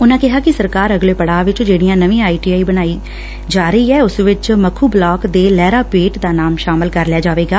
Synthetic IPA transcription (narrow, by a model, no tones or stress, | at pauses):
ʊnãːkɪɦaːkɪsəɾkaːɾəɡleːpəɽaːʋɪt͡ʃd͡ʒeːɽiːãːnəʋĩaːiːʈiaːiːbəñaːiː | d͡ʒaːɾəiːɛːʊsʋɪt͡ʃməkʰuːblɔːkd̪eːlɛːɾaːpeːʈd̪aːnaːmʃaːmɪlkəɾlɪaːd͡ʒaːʋeːɡaː